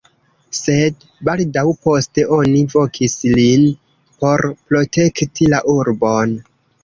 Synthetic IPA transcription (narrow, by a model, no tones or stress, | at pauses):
se̞d | baldawpo̞ste̞ʔo̞nivo̞kʰislin | po̞ɾpɾo̞te̞ktʰilaʔuɾbo̞n